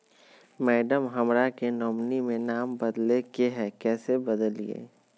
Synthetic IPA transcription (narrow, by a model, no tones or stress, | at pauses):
mɛːɖəmɦɐmɾakenɔːmnimẽnaːmbɐd̪lekeɦɛːkɛːsebəd̪əlḭḛː